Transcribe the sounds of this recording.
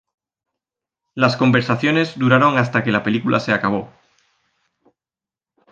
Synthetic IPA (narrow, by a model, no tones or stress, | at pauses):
lasko̞mbe̞ɾsaθjo̞ne̞zd̪uɾaɾo̞ŋast̪ake̞lape̞likulʔa̰se̞akaβ̞o̞